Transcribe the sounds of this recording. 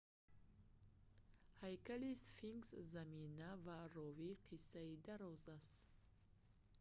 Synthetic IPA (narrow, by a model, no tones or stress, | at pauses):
hajkalisfiŋɡszaminavarɔviqʰisːaid̪aɾɔzast̪